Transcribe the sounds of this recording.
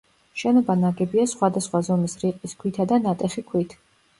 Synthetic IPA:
ʃɛnɔbanaɡɛbiasχwad̪asχwazɔmisɾiqʼiskʰwit̪ʰad̪anat̪ʼɛχikʰwit̪ʰ

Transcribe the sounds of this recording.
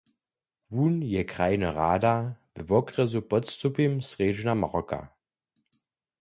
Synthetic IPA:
vuːnjɛkʁ̥aɪnəʁaːdavəvɔkʁɛzupɔt͡stupimsʁeːd͡ʒnamaʁɔka̰

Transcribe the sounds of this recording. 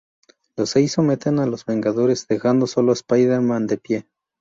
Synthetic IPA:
loseisomet̪enalozβe̞ŋɡaðo̞ɾe̞zðe̞xand̪o̞so̞lo̞espajðeɾmãnd̪e̞pje

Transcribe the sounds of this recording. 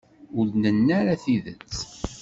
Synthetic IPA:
ʊlnənːaɾaθiðə̰t͡sː

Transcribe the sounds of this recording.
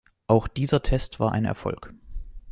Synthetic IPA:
ʔaʊxd̥iːzɐtʰɛstv̥aːɐʔa̰ɪnɛ̰ɐfɔ̰lk

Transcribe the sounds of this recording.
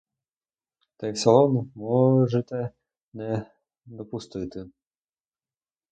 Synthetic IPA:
t̪ɛjwsɐlˠɔnumɔʐɨt̪ɛ | nɛ | d̪ɔpust̪ɨt̪ɨ

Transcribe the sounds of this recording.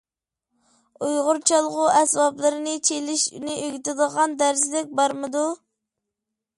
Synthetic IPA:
ujʁʊɾt͡ʃʰɑlˠʁʊɛsbɑplˠɨɾɨnɨt͡ʃʰelɪʃnɪʔøɡʲit̪ɪd̪əʁɑnd̪æɾslɪk̚ʲbɑɾmɨd̪u

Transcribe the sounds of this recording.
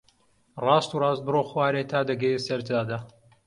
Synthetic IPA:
rɑːst̪uːrˤɑːst̪̚bɨroːxwaːɾet̪ʰaːd̪ɐɡɐjesɐɾt̪aːd̪a

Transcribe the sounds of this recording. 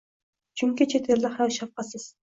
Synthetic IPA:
t͡ʃʰyŋkʲit͡ʃʰet̪ʰeɾlɪχɾawʃɑf̚qɑsɨz̥

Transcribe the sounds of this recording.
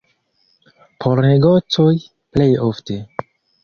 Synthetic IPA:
pʰoɾneɡot͡soj | plejofte

